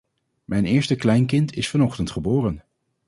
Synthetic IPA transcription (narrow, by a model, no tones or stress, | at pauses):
mʔɛjnɪːɹstəklɛjnkɪntʰɪsfɑnɔχtəntχəbʊːrən